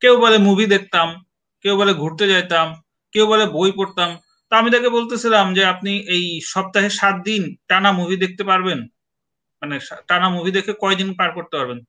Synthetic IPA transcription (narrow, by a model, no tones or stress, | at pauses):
kewbalemubʱid̪ek̚ʰt̪am | kewbaleɡʱuɾt̪et͡ɕajt̪am | kewbalebojpoɾt̪am | t̪oamit̪̬akebolt̪et͡ɕʰilamd͡ʑeap̚niʔejʃɔb̚t̪aɦeʃat̪̚d̪inʈanamubʱid̪ek̚ʰt̪epaɾben | maneʃaʈanamubʱid̪ekʰekɔed̪inpaɾkoɾt̪epaɾben